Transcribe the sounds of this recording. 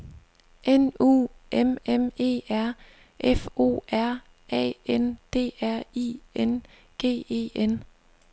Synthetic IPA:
ʔenṵːʔememe̝̰ːæɐ̰ | ʔefo̝̰ːæɐ̰ | ʔɛ̰ːend̥e̝̰ːæɐ̰ien | ɡ̥e̝̰ːe̝̰ːen

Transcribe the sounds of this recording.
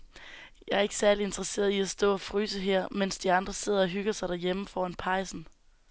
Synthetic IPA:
jɑ̈ɪæɐe̝ɡ̥ə̥sæɐlie̝nd̥ʁɐse̝̰ːɐð̩ˠiæsd̥ɔ̰̽ːɒfʁy̰ːsəɦeɐ̰men̰sd̥iɑ̈nd̥ʁɐse̝ð̞̰ˠɐɒ̽ɦyɡ̥ɐsɑ̈ɪd̥æɐjeməfɒ̰ːænpʰɑ̈ɪsn̩

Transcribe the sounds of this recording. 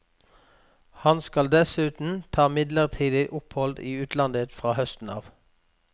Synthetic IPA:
hɑnskɑld̪ɛsʉːt̪n̩t̪ʰɑːmɪd̪ləʁt̪ʰiːd̪ɪʔʊphɔld̪ḭːʉːt̪lɑnd̪ət̪fʁɑːhœst̪n̩ɑːʋ

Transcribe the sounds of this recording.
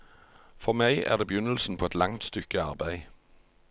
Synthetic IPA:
fɔʁmæɪʔæ̰ːʁd̪eːbjʉnəl̩sn̩pʰoːɛt̪lɑŋt̪st̪ʏkəɑ̰ʁbæɪ

